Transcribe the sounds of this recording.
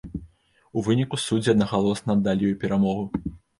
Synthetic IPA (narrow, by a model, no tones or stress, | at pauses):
uvɨnʲikusud͡zʲiɐd̪nɐɣalˠɔsnɐd̪ːalʲijujupʲɛɾamɔɣu